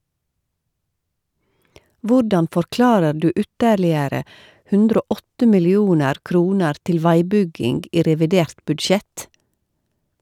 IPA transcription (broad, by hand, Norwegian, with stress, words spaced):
ˈʋʊɖɑn fɔɾˈklɑːɾə ˈɖʉː ˈʉtəɾlɪəɾə ˈhʉndɾ ˈoː ˈɔtə mɪlɪˈuːnəɾ ˈkɾuːnəɾ ˈtɪl ˈʋæɪˌbʏɡɪŋɡ ˈiː ɾɛʋɪˈdeːɾt bʉdˈʃɛt